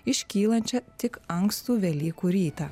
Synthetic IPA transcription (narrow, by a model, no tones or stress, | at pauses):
ɪʃʲkʲiːlˠɐnʲt͡ʃʲɛt̪ʲɪkɐŋkst̪uːʋʲɛlʲiːkuːɾʲiːt̪ɐː